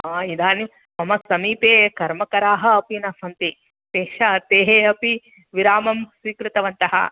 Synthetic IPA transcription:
aːid̪ʱaːni | mɐmɐsɐmiːpeːkɐɾmɐkɐɾaːɦɐ̆ɐpinɐsɐnt̪i | peːʂɐɐt̪eːɦeɐpi | ʋiɾaːmɐmswiːkɾɪt̪ɐʋɐnt̪ɐɦɐ̰

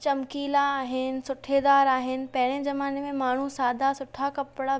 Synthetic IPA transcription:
t͡ɕɐmkiːlaːɦɪnɪ̆sʊʈʰed̪aːɾaːɦɪnɪ̆pɐɦɪɽ̃ezɐmaːnemẽmaːɳ̤ũsaːd̪ʱasʊʈʰakɐpɽa

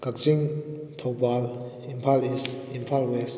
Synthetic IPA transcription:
kak̚t͡ʃiŋt̪ʰɔwbal | impʰalisimpʰalwɛs

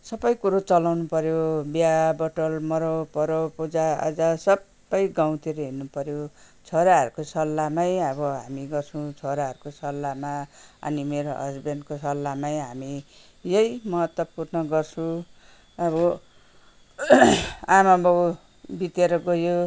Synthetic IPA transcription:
sʌbʌjkuɾot͡sʌlawnupʌɾjobjabʌʈʌlmʌɾopʌɾopud͡zaʌ̰d͡zasʌbːʌjɡaw̃t̪ʰiɾʌɦinupʌɾjo | t͡sʰoɾaɦʌɾukosʌlːamajʌbʌɦa̰miɡʌrt͡sʰut͡sʰoɾaɦʌɾukosʌlːamaʌ̰nimeɾoɦʌ̰sbenkosʌlːamajɦami | jʌjmʌɦʌt̪wʌpurnʌɡʌrt͡sʰũ | ʌbʌ | amabʌw | bit̪eɾʌɡojo

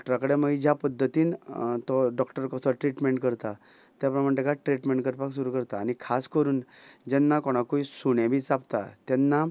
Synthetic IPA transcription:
ɔkʈəɾakəɽeməɡid͡ʑjapəd̪ʱːət̪iːnt̪ɔɖɔkʈəɾkəsɔʈɾiʈmeɳʈkəɾt̪a | t̪japɾməɳʈ̪ekaʈɾiʈmẽɳʈkəɾpaksuɾuːkəɾt̪aːñikʰaskəɾuːnd͡ʑɛnːakɔɽ̃akuisuɽ̃ẽbʱiːt͡sapt̪a̰t̪ɛnːa

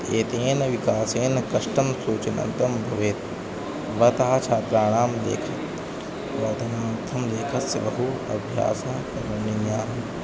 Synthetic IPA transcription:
eːt̪eːnɐʋikaːseːnɐkɐʂʈɐmsuːt͡ʃɐnɐ̰̃nt̪ɐmbʱɐʋeːt̪ | ʋɐt̪ɐɦɐt͡ʃʰaːt̪ɾaːɽ̃aːmlḛːkʰɐ | ʋɐd̪ʱɐnɐmɐt̪ʰːɐmleːkʰɐsjɐʋɐɦuɐ̰bʱja̰ːsɐkɐɾuninjaːɦɐ

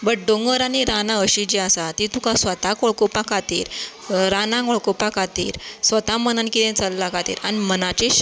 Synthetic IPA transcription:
bəʈ̚ɖoŋɡəɾaɽiɾanãəɕid͡ʑiasat̪it̪ukasʋət̪akoɭkopakat̪ḭːɾ | ɾanãkoɭkopakat̪ḭːɾsʋət̪amənənkit̪ẽt͡səlːakat̪ḭːɾʔanimənat͡ɕe

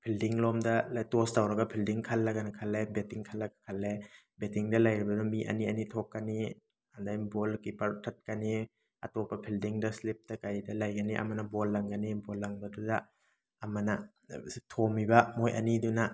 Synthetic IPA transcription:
pʰildiŋlɔmdɐltostawɾɐɡɐpʰildiŋkʰɐlːɐɡɐnɐkʰɐlːebetiŋkʰɐlːɐɡɐkʰɐlːe | betiŋdɐlajɾibɐdumiʔɐ̰niɐnitʰɔkːani | ɐndajbolkipɐɾtʰɐt̚kani | ɐ̰tɔpːɐpʰildiŋdɐslip̚tɐkajdɐlajɡɐniʔɐ̰mɐnɐbolːɐŋɡɐnibolːɐŋbɐdudɐ | ɐmɐnɐ | tʰomibɐmojʔɐ̰niduna

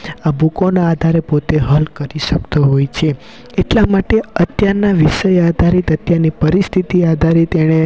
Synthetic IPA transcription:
abukonaːd̪ʱaɾepot̪eɦəlkəɾiʃəkt̪oɦojt͡ʃʰe | eʈlamaʈeət̪jaɾnaʋiʃəjad̪ʱaɾit̪ət̪jaɾnipəɾist̪ʰit̪iad̪ʱaɾit̪eɽ̃e

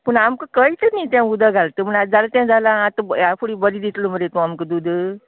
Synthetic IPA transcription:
pəɳamkəkəjt͡sənijt̪jãud̪aɡʱalt̪əːməɳad͡zalət̪jãd͡zalaːt̪əafʰoɽiːbəɾiːd̪it̪ʰloməd̪et̪uamkəd̪ud̪ʱə

